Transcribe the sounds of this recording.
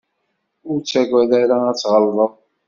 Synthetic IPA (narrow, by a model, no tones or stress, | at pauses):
ʊɾt͡sːæɡʷæðæɾaæt͡sːʁəlðˤəðˤ